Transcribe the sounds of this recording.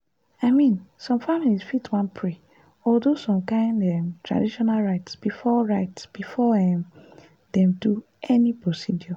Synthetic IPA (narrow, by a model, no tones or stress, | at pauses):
aɪmĩnsɔ̃mfamilisfitwãnpʰɹe | ɔldosɔ̃mkãɪ̃ndɛmtɹa̰diʃɔnalɹaɪtsb̥ifɔɹaɪtsb̥ifɔɛm | dɛ̃mdu | ɛnipɹosidjɔ